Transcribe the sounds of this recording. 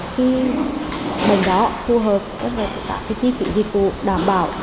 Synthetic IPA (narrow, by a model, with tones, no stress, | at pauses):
xi˨˧˦ | ɓə˨˩jŋ̟ɗɔ˨˦fu˧ɦəː˨˩p̚t͡ɕa˦˧˥t̚la˨˩t̪ə˨˧˩ka̰ː˧˩kaː˨˦t͡ɕi˧˦kḭ˧˩zi˨˩k̚ku˧˨ɗaː˧˩mɓaː˧˩w